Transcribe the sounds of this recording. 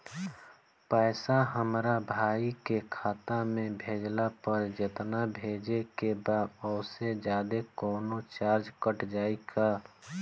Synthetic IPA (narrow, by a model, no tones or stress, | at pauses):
pɛːsaɦəmɾabʱaːikekʰaːt̪amẽbʱeːd͡ʒlapəɾd͡ʒət̪nabʱeːd͡ʒekebaːdɔʊsed͡ʒaːd̪ekɔːnot͡ʃaːɾd͡ʒkəʈd͡ʒaːika